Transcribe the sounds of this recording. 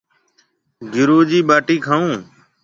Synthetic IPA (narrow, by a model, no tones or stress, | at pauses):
ɡɪɾuːd͡ʒiːɓaːʈiːkʰaːũː